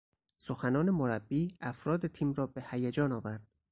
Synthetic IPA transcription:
soxænɒːnemoɾæbːiːæfɾɒːd̪e̞t̪ʰiːmɾɒːbe̞hæjed͡ʒɒːnɒːvæɾd̪̥̚

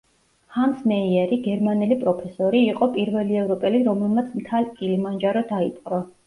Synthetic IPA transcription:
hansmɛiɛɾiɡɛɾmanɛlipʼɾɔpʰɛsɔɾiːqʼɔpʼiɾvɛliɛvɾɔpʼɛliɾɔmlɛlmat̪sʰmt̪ʰalkʼilimand͡ʒaɾɔd̪aipʼqʼɾɔ

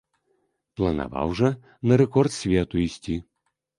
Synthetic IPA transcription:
plˠɐna̰va̰wʐɐ | nɐɾɛkɔrt̪sʲvʲɛt̪uisʲt͡sʲi

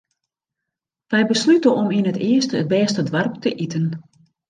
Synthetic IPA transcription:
ʋɛjbəslytəɔminətɪəstəəd̚bɛːstədʋarptəʔitʰən

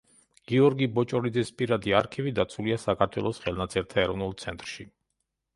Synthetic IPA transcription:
ɡ̥iɔɾɡibɔt͡ʃʼɔɾid̪zɛspʼiɾad̪iaɾkʰivid̪at̪sʰuliasakʰaɾt̪ʰwɛ̰lˠɔsχɛlˠnat̪sʼɛɾt̪ʰaɛɾɔvnulˠt̪sʰɛnt̪ʼɾʃi

